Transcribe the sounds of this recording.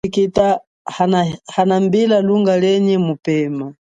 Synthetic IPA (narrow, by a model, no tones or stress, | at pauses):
ikita | hahanambilaluŋɡalɛɲɛmupɛːma